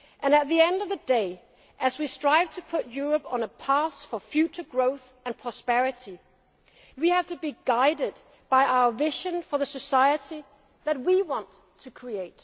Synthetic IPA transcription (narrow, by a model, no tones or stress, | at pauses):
ʔɨ̃nɨt̪̚ðiɛ̃ndʌvðɨdeɪ | ʔɨzwistɹ̥aɪv̥tʰɨpʰʊt̚jʊɹɨpn̩əpʰɑsfə˞fjʉt͡ʃə˞ɡɹoʊθ | ɨ̃npʰɹ̥ɑspɛɹɨɾi | wihæv̥tʰɨbiɡaɪɾɨd̚ | b̥aɪʔaʊə˞vɪʒɨ̃nfə˞ðɨsɨsaɪɨɾi | ðɨt̬̚wiwɑ̃ntʰːɨkʰɹ̥ieɪt̚